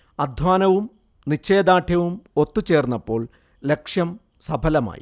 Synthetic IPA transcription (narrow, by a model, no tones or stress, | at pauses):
ɐd̪ʱwaːnɐʋum | nit͡ɕːe̞ːd̪aːʈʰjɐʋumo̞t̪ːut͡ɕe̞ːrnːɐpːo̞ːɭ | le̞kʂjɐm | sɐbʱɐlɐma̰ːji